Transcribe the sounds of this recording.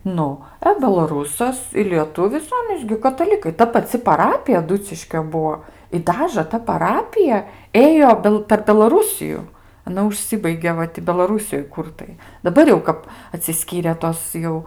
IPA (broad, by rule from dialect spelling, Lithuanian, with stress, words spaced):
ˈnʊ ɐ bʲɛlˠɐˈruːsɐs ɪ lʲiɛˈtʊʋʲɪs ˈɑːnʲiːs ɡʲɪ kɐtɐˈlʲɪkɐɪ ˈtɐ pɐˈt͡sʲɪ pɐˈrɑːpʲɪjɛ ɐˈdʊt͡sʲɪʃʲkʲoː ˈbuɔ ɪ ˈdɑːʒə tɐ pɐˈrɑːpʲɪjɛ ˈeːjoː ˈbʲɛlˠ pʲɛr bʲɛlˠɐˈruːsʲɪjʊ ɐˈnɐ ʊʃʲˈsʲɪbɐɪɡʲeː ˈʋɐ tʲɪ bʲɛlˠɐˈruːsʲɪjoːj ˈkʊr tɐɪ dɐˈbɐr jɛʊ ˈkɐp ɐtʲsʲɪˈsʲkʲiːrʲeː ˈtoːs jɛʊ